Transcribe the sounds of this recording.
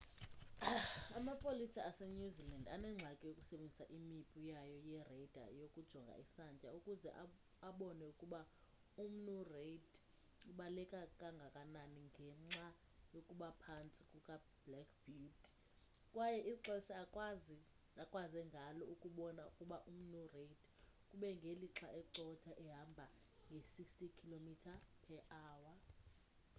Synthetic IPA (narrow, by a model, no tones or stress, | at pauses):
amapʼolisiasɛɲuzilandanɛŋ͡ǁʱakʼɛjokʼu̥sɛɓend͡zʱisaʔimipʼujajɔjɛred̥ʱa̰jokʼud̥ʒ̥ʱɔŋɡʱa̰ʔisant͡ʃʼaukʼuzɛ̰ʔa | aɓɔnɛukʼuɓa | um̩nureid | uɓalɛkʼakʼaŋɡʱakʼananiŋɡʱɛŋ͡ǁa | jokʼuɓapʰant͡sʼikʼukʼa | blɛkʰb̥it | kʼwajɛʔiǁɛsɛakʼwazi | akʼwazɛŋɡʱalɔukʼuɓɔnaukʼuɓaʔum̩nureidʰkʼuɓɛŋɡʱeliǁʰaɛǀɔtʰaʔɛɦambʱa | ŋɡʱesikstikʰilomitʰapʰɛʔaːwa